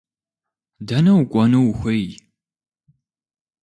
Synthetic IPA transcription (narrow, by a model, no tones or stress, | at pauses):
dɐnɐwkʷʼɔnuwxʷɐj